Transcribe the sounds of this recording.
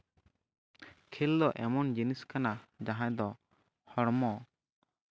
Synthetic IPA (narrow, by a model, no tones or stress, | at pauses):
kʰeld̪ɔʔɛmɔnd͡ʒiniskanad͡ʒaɦãʔd̪ɔ | hɔɾmɔ